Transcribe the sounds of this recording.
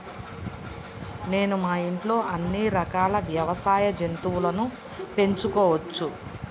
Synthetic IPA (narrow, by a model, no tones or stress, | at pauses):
ne̞ːnumaːiɳʈlo̞ːʔɐnːiɾɐkaːlɐʋjɐʋɐsaːjɐd͡ʒent̪uʋulɐnu | pe̞ɲt͡ʃukɔːʋɐt͡ʃːu